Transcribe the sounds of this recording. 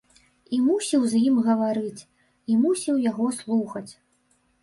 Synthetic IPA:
imusʲiwzjimɣɐvaɾɨt͡sʲ | imusʲiwjaɣɔslˠuxɐt͡sʲ

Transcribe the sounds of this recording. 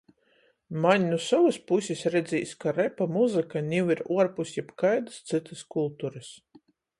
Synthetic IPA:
manʲnusɔvuspusʲisɾɛd̪ziːskaɾɛpamuzɨkanʲiwiɾuɔɾpusjɛpkajd̪ɨ̥st̪sɨt̪ɨskulˠt̪uɾɨs

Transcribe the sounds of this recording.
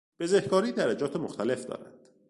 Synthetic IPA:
b̥e̞zehkʰɒːɾiːd̪æɾæd͡ʒɒːt̪ʰemoxt̪ʰæle̞fd̪ɒ̰ːɾæ̰d̪̥

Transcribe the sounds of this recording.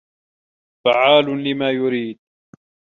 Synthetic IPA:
faʕaːlʊlɪmaːjʊɾiːd̪̚

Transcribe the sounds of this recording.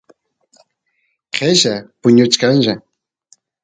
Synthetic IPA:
qʰeʃapʊɲʊt͡ʃkanʒa

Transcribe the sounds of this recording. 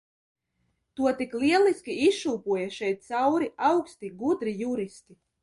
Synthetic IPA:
t̪uɔt̪iklʲiɛlˠiskʲiisʃuːpuɔjaʃɛjt̪̚t̪sawɾiawkst̪iɡud̪ɾijuɾist̪i

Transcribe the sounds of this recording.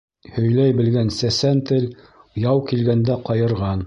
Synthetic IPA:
hɵ̆jlæjbɘ̆lɡænsæsænt̪ɘl | jɑwkilɡænd̪æqɑjɤ̆ɾʁɑn

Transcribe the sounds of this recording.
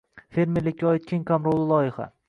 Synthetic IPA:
fe̞ɾmeɾlɪkʲːaɒjɪt̪̚kʲʰeŋkʰamɾolˠɪlˠɒjɪχa̰

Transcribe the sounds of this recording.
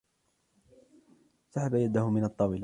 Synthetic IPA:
saħabajad̪ahʊmɪnɑt̪ˤːɑwɪl

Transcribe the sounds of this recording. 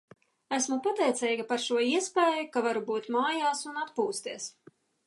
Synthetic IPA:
æsmupat̪ɛjt̪sɛjɡapaɾʃuɔiɛspɛːjukavaɾubuːt̪maːjaːsunat̪puːst̪iɛs

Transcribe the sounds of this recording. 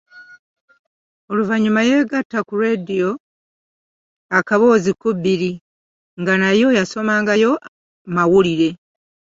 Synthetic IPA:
oluvaɲumaje̞ːɡatːakuɾe̞dijo̞ | akaβo̞ːzikubiɾi | ŋɡanajo̞jaso̞maːŋɡajo̞ | mawuliɾe̞

